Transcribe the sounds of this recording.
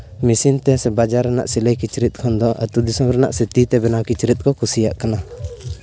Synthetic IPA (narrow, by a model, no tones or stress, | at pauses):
misint̪ɛsɛbad͡ʒaɾːɛna̰ʔsiləjkit͡ʃɾit̪̚kʰɔnd̪ɔʔa̰t̪ud̪isɔmɾɛna̰ʔsɛt̪it̪ɛbɛnawkit͡ʃɾit̪̚ˀkɔkusijaʔkana